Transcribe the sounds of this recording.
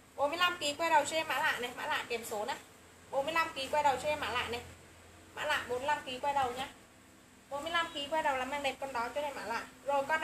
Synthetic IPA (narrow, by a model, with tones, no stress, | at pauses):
ɓo˨˦nmɨ˧˨jla˧mki˨˦kwɛ˧jɗə˨˩wt͡ɕɔ˧ɛ˧maː˧˥la̰ː˧˨jnɛ˨˩ma̰ː˧˥la̰ː˧˨jke˨˩mso˨˦naː˧˩ | ɓo˨˦nmɨ˧əjla˧mki˨˦kwɛ˧jɗə˨˩wt͡ɕɔ˧ɛ˧maː˧˥la̰ː˧˨jnɛ˨˩ | ma̰ː˧˥la̰ː˧˨jɓo˨˦m˧la˧mki˨˦kwɛ˧jɗə˨˩wɲaː˧ | ɓo˨˦nmɨ˧əjla˧mki˨˦kwɛː˧jɗə˨˩wlaː˨˩maː˧ŋɗe˨˩p̚kwə˧nɗɔ˨˦t͡ɕɔ˧˦ne˧˩maː˧˩la̰ː˧˨jzo˨˩jkɔ˧n